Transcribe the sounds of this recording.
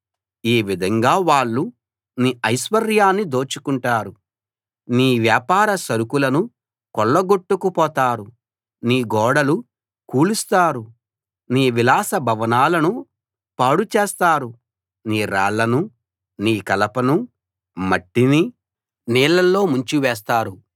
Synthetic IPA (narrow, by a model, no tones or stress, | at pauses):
iːʋid̪ʱɐŋɡaːʋaːɭːu | niːʔɐjʃʋɐɾjaːnːid̪o̞ːt͡ʃukuɳʈaːɾu | niːʋjaːpaːɾɐsɐɾukulɐnu | kɔɭːɐɡoʈːukupɔːt̪aːɾu | niːɡɔːɽɐlu | kuːlust̪aːɾu | niːʋilaːsɐbʱɐʋɐnaːlɐnu | paːɽut͡ʃeːst̪aːɾu | niːɾa̰ːɭːɐnu | niːkɐlɐpɐnu | mɐʈːini | niːlːɐlːo̞ːmuɲt͡ʃiʋɛːst̪aːɾu